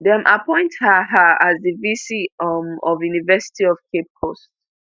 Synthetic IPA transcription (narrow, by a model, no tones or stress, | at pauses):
dɛ̃mʔapʰɔ̃ɪ̃nthaɦaazðəvisimɔvjunivɛsi̥tiɔvkʰep̚kʰost